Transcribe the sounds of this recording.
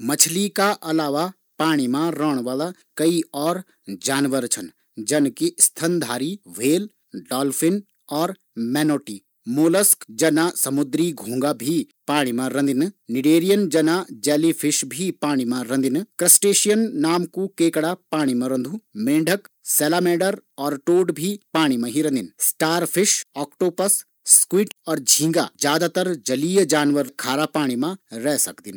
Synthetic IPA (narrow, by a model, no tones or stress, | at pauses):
mɐt͡ʃʰlikaʔɐlaːʋa | paːɽ̃imãɾəːɽ̃ʋaːla | kɐiɔːɾ | d͡ʒaːnʋəɾt͡ʃʰɐn | d͡ʒɐnkist̪ʰɐnd̪ʱaːɾiʋeːl | ɖɔːlfʰɪn | ɔːɾ | mɛːnoːʈiː | moːləskd͡ʒɐnasɐmʊd̪ɾiɡʱũːŋɡabʱi | paːɽ̃imãɾɐ̃nd̪ɪnnɪɖeːɾijənd͡ʒɐnad͡ʒɛːlifʰɪʃbʱipaːɽ̃imãɾɐ̃nd̪inkɾɐsʈeːʃijənːaːmkukeːkɽapaːɽ̃imãɾɐ̃nd̪ʱumẽːɳɖʱək | sɛːlaːmeːɖəɾɔːɾʈoːɖbʱipaːɽ̃imãɦiɾɐ̃nd̪insʈaːɾpʰɪʃɔːkʈoːpɐsː | kwiːʈɔːɾd͡ʒʱĩːŋɡad͡ʒjaːd̪at̪ɐɾd͡ʒɐliːjəd͡ʒaːnʋəɾkʰaːɾapaːɽ̃imãɾɛsɐkd̪in